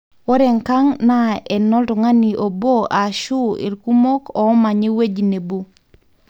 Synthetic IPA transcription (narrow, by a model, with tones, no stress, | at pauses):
wɔ˦ɾɛ˨ŋka˦ŋna˦ɛ˨nɔ˦ltʊ˨ŋa˦ni˨ʔo˨bo˦ʔa˨ʃu˦ḭ˨lku˦mo˦kɔ˨˦ma˨ɲe˦we˦d͡ʒne˨bu˦